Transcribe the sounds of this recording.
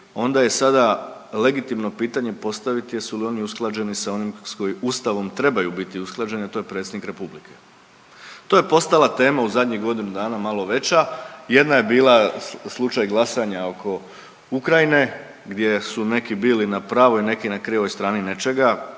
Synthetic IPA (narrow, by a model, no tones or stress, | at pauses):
o̞nd̪aje̞sad̪ale̞ɡit̪imno̞piːt̪aɲe̞po̞st̪aʋit̪ijesulio̞niusklˠad͡ʑe̞nisao̞nimsko̞jiust̪aʋo̞mt̪ɾe̞bajubit̪iusklˠad͡ʑe̞niat̪ojepɾet̪sed̪nikɾe̞publikʰe̞ | t̪o̞ːjepo̞st̪alat̪e̞ːmauzad̪ɲiɣɡo̞d̪inud̪aːnamalˠo̞ʋe̞t͡ɕaje̞d̪naje̞biːlˠaslˠut͡ʃajɡlˠasaɲao̞kʰo̞ | ukɾajine̞ | ɡd̪je̞sune̞kibiːlinapɾaːʋo̞ine̞kinakɾieʋo̞jst̪ɾaːnine̞t͡ʃe̞ɡa